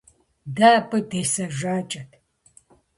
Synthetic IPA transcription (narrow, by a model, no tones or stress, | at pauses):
daːpʼɨdeːsɐʒaːt͡ʃʼɐtʰ